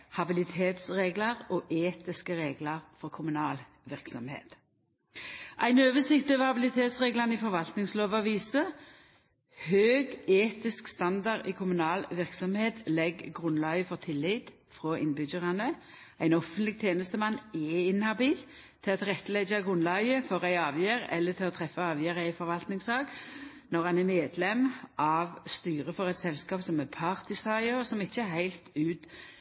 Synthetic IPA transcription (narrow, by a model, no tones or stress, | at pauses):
hɑbɪlɪt̪ʰeːt̪sʁeːɡlɑʁɔːʔeːt̪ɪskəʁeːɡlɑʁfɔʁkʰʊmʉnɑːl | ʋɪʁksɔmhḛːt̪ | ʔæɪnøːʋəsɪkt̪ɑʋəhɑbɪlɪt̪ʰeːt̪sʁeːɡlɑnəiːfɔʁʋɑlt̪nɪŋsloːʋɑʋiːsə | høːɡeːt̪ɪskst̪ɑnd̪ɑʁiːkʰʊmʉnɑːlʋɪʁksɔmheːt̪lɛɡːʁʉnlɑʏəfɔʁt̪ʰɪlːit̪ | fʁɔːʔɪnbʏɡəʁɑnə | æɪnɔfənt̪lɪɡ̚t̪ʰjeːnəst̪əmɑnːɛɪnhɑbiːl | t̪ʰːɪlɑt̪ʁɛt̪ːəlɛd͡ʒɑɡʁʉnlɑɪəfɔʁæɪɑːʋjeːɾɛ̰lːət̪ʰɪlɔt̪ʰʁɛfːəɑːʋjæːɾəɪfɔɾʋɑlt̪nɪŋsɑːɡ | nɔʁɑnæmeːd̪lɛmʔɑʋst̪yːʁəfɔʁɛt̪sɛlskɑːpsɔmɛpʰɑʁt̪ɪsɑɪəʁsɔmɪçːəɛɦæɪlt̪ʉːt̪